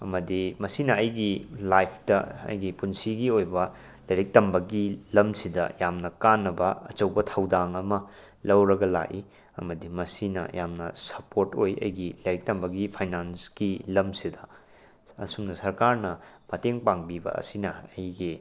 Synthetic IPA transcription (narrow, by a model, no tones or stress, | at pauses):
ɐmɐdimɐsinɐɐjɡilajpʰdɐɐ̰jɡipunsiɡiojbɐ | lɐjɾek̚tɐmbɐɡilɐmsidɐ̰jamnɐkanːɐbɐɐt͡ʃɐwbɐtʰɐwdaŋɐmɐ | lɐwɾɐɡɐla̰ʔi | ɐ̰mɐdimɐsinɐ̰jamnɐ̰sɐpoɾtojʔɐ̰jɡilɐjɾek̚tɐmbɐɡipʰajnansɡ̥ilɐmsidɐ | ɐ̰sumnɐsɐɾkaɾnɐmɐteŋpaŋbibɐ̰ɐ̰sinɐɐjɡi